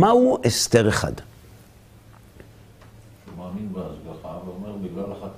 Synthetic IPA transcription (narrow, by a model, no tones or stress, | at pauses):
mauʔest̪eʁeχa̰d̪ | ʃumaːminbeazɡaχaveomeʁbiɡlalaχat